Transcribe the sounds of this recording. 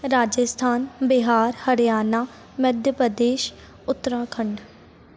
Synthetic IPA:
ɾaːd͡ʒəst̪ʰaːnbɪɦaːɾhəɾjaːnaː | məd̪ʱjəpɾəd̪eːʃ | ʊt̪ːəɾaːkʰəɳɖ

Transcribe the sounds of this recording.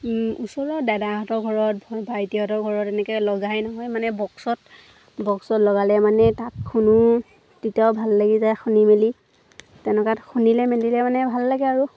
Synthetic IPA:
usɔɹɔdadaɦɔtɔɡʱɔɹɔt̚bʱaɹtiɦɔtɔɹɡʱɔɹɔtɛnɛkɛlɔɡajnɔɦɔjmanɛbɔksɔt | bɔksɔtlɔɡalɛmanɛtatkʰunʊ | titiaʊbʱalːaɡizajxunimeli | tɛnɛkatxʰunilɛmelilɛmanɛbʱalːaɡɛaɹu

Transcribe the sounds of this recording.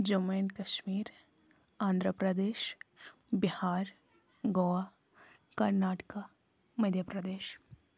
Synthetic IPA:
d͡ʒomeːnkɐʃmiːɾ | ãːnd̪ʱɾəpɾəd̪eːʃ | bɪhaːɾ | ɡoʋaː | kɐɾnaːʈka | mɐd̪ʱjəpɾɐd̪eːʃ

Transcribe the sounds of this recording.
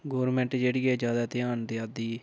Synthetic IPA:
ɡoːɾmɛ̃ɳʈd͡ʒeːɽɪːɛːd͡ʒjaːd̪aːt̪ɪaːnd̪eaːd̪iː

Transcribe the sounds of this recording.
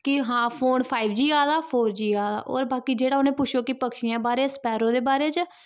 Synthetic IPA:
kɪɦãːpʰoːnpʰaːiːbd͡ʒiːaːd̪aːpʰoːɾd͡ʒiːaːd̪a̰ːʔo̰ːɾbaːkiːd͡ʒeːɽaːʊnẽːpʊt͡ʃʰjoːkɪpəkʃɪjãːbaːɾeːsə̥pɛːɾõːd̪eːbaːɾeːt͡ʃ

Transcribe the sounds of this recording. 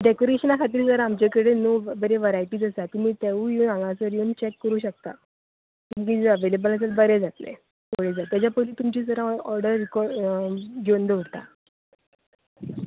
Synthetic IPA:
ɖekoɾeɕənakʰat̪iːɾd͡zəɾaːmt͡ɕekəɽenubəɾeʋəɾajʈiːd͡zəsat̪um̤iːt̪eʋujunãŋɡãsəɾjoːnt͡ɕekːəɾuːɕək̚t̪a̰ | kũŋk̬iːd͡zəəʋelebələs̬elbəɾed͡zat̪lḛ | oɽed͡zat̪ːjat͡ɕjapəliːt̪umt͡ɕiːd͡zəɾãɔɾɖəɾːikɔɾɖɡond̪əuɽt̪a̰

